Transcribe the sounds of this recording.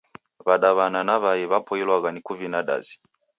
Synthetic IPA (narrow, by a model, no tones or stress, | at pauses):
βaɗaβananaβajɛβapɔilwaɣanikuvinaɗa̰zi̥